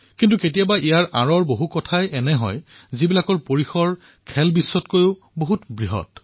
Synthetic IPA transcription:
kintuketijabaʔijaɹʔa̰ɹɔɹboɦukɔtʰajʔɛnɛɦɔ̰jzibilakɔɹpoɹixɔɹ | kʰɛlbisːɔtkojʊ | boɦutbɹiɦɔ̰t

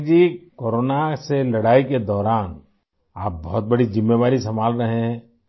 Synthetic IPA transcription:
d͡ʒiːkoːɾoːnaselɐɽaːiked̪ɔːɾaːn | aːp̚bɔɦʊt̪̚bɐɽizɪmːeʋaːɾisɐmaːlɾɐɦeɦɛ̃ː

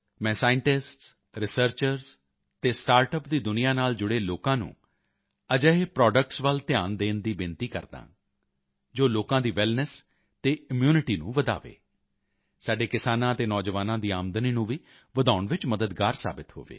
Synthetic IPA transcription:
mɛ̃ːsaːɪɳʈɪsʈs | ɾɪsəɾt͡ʃəɾz | t̪eːsʈaːɾʈəpd̪iːd̪ʊnɪjãːnaːld͡ʒʊɽeːloːkãːnṵ̃ː | əd͡ʒəɦepɾɔːɖək̚ʈsʋəlt̪ɪjaːnd̪eːnd̪iːbɪnt̪iːkə̰ɾd̪ã̰ː | d͡ʒoːloːkãːd̪iːʋɪlnəs | t̪eːɪmjuːnɪʈiːnṵ̃ːʋəd̪a̰ːʋḛː | saːɖeːkɪsaːnãːət̪eːnɔːd͡ʒəʋaːnãːd̪iːaːmd̪əniːnũːʋiː | ʋəd̪aːʊɳʋɪt͡ʃməd̪əd̪ɡaːɾsa̰ːbɪt̪ɦo̰ːʋḛː

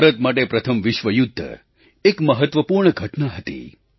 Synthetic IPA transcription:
ɾət̪̚maʈepɾət̪ʰəmʋɪʃʋəjʊd̪ʱːə̰ | ekməɦət̪ʋəpuɾɳəɡʱəʈnaɦət̪ḭ

